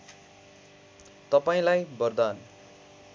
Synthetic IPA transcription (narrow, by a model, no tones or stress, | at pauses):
t̪ʌpaĩlajbʌrd̪an